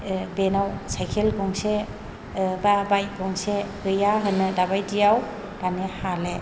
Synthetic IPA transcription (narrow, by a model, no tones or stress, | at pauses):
benawsajkʰelɡɔŋse | babajt̚ɡɔŋseɡɯjaɦɯnɯdabajdijaw | d̥anehale